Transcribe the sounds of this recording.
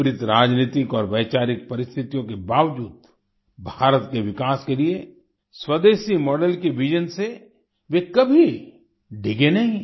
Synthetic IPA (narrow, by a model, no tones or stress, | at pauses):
ɾɪt̪ɾaːd͡ʒniːt̪ɪkɔːɾʋɛːt͡ʃaːɾɪk̚pɐɾɪst̪ʰɪt̪ijõkebaːʋd͡ʒuːd̪ | bʱaːɾət̪keʋɪkaːskelie | swɐd̪eːʃimɔːɖəlkeʋid͡ʒənse | ʋekɐbʱi | ɖʱɪɡenɐɦĩ